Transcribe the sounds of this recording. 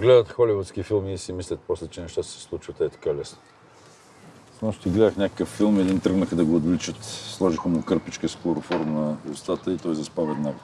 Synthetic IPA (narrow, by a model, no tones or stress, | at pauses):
ɡlɛd̪ət̪xɔlivut̪sk̟ifilˠmiːsimislʲət̪̚pɔslɛt͡ʃɛnɛʃt̪at̪sɛ̥slˠut͡ʃvət̪ɛt̪ɐ̥kalɛsno | mɔʃt̪iɡlɛd̪əxnʲakə̥kəfːilˠmɛd̪int̪ɾəɡnəxd̪ɐɡoːd̪vlit͡ʃət̪slˠɔʒixomkɤɾpit͡ʃkəsklˠoɾʊfɔɾnɐust̪at̪əit̪ɔjzɐspavɛd̪naɡo